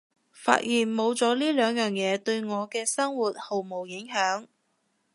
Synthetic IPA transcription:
fa̰ː˧t̚jiː˨˩nmo˨˧wt͡sɔː˨˥liː˥lœː˨˧ŋjœː˨ŋjɛː˨˧t̪ɵ˧ɥŋɔː˨˧kɛː˧sɐ˥ŋwuː˨˩t̚ho˨˩wmo˨˩wjɪ˨˥ŋɦœː˨˥ŋ

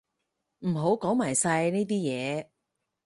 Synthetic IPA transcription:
m̩˨˩ɦo˨˥wkɔː˨˥ŋmaː˨˩jsɐ˧jne˥t̪̬iː˥jɛː˨˧

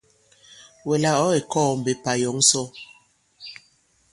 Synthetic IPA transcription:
wɛ˨la˦ɔ˨˦e˨kɔː˦˨m̩˨be˨pa˨jɔ˨˦ŋ˦sɔ˦

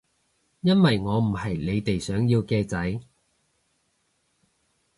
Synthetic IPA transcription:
jɐ˥nwɐ˨jŋɔː˨˧m̩˨˩hɐ˨jle˨˧jt̪e˨jsœː˨˥ŋjiː˧wkɛː˧t͡sɐ˨˥j

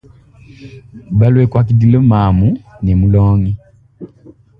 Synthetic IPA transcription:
βa˦lweː˦kwa˨ki˨di˨lo˦maːmu˦ne˨mu˦loːŋi˦

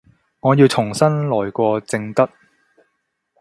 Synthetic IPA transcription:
ŋɔː˨˧ji˧wt͡sʰʊ˨˩ŋsɐ˥nlɔː˨˩jkʷɔː˧t͡sɪ˧ŋt̪ɐ˥t̚

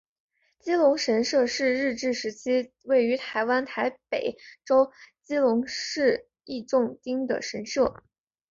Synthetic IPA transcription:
t͡ɕi˥lʊ˧˥ŋʂə˧˥nʂɤ˥˧ʂɻ̩˥˧ɻɻ̩˥˧ʈ͡ʂɻ̩˥˩ʂɻ̩˧˥t͡ɕʰi˥ | we˥˩ɪy˧˥t̪ʰa˧˥ɪwa˥nt̪ʰa˧˥ɪpe˨˩ɪʈ͡ʂo˥ʊt͡ɕi˥lʊ˧˥ŋʂɻ̩˥˧ | i˥˧ʈ͡ʂʊ˥˧˩ŋt̪i˥ŋd̪ə̰˨ʂə˧˥nʂɤ˥˩

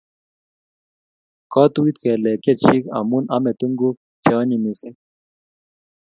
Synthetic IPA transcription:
kɔ˦t̪u˦wi˦t̪kɛ˨lɛ˨ke˦t͡ʃi˦ka̰˨mu˦na˦me˨t̪u˦ŋɡu˦ | t͡ʃɔ˦ni˨mi˨sɛ˦

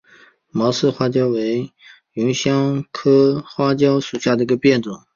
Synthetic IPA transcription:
mɑ˧˥sɹ̩˥˧xwa˥t͡ɕjɑ˥ʊwe˧˥ɪ | y˧˥nɕjɑ˥ŋkʰɤ˥xwa˥t͡ɕjɑ˥ʊʂu˨˩ɕja˥˩d̪ə˩i˧˥ɡə˧pjɛ˥˩nʈ͡ʂwʊ˨˩˦ŋ

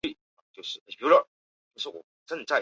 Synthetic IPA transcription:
i˥˩ | ə˨˩t͡ɕjo˥˧ʊʂɻ̩ʰ˥˩˧u˥ə˥˩ | t͡ɕo˥˩ʂɻ̩˥˩wɔ̰˨˩ | ʈ͡ʂə˥˧nt͡sa˥˩ɪ

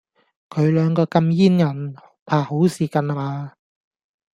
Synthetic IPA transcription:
kʰɵ˨˧ɥlœː˨˧ŋkɔː˧kɐ˧mjiː˥njɐ˨˩nhpʰaː˨˩ho˨˥wsiː˨˧kɐ˨na˨maː˧

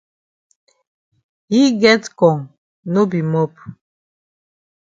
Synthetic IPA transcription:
hi˦ɡɛ˦tkɔ̃˨ŋ | no˦bi˨mɔ˦p

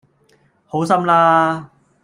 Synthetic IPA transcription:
ho˨˥wsɐ˥mlaː˥

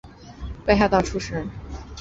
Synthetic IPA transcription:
pe˥˧ɪxa˥˧t̪ɑ˥˧˩ʈ͡ʂʰu˥ʂɻ̩˥

